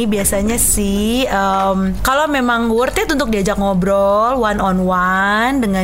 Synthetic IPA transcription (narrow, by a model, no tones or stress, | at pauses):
biasaɲasɪhəmkalomemaŋurt̪at̪unt̪ʊk̚diad͡ʒak̚ŋɔbɾɔlwanɔnwandəŋa